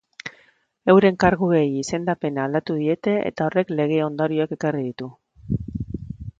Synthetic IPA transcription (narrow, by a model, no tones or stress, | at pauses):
e̞wɾe̞ŋkaɾɣuɣejise̞nd̪ape̞naːld̪at̪uð̞ie̞t̪e̞ʔḛt̪ao̞re̞kle̞ɣ̞e̞o̞nd̪oɾioeke̞karið̞it̪u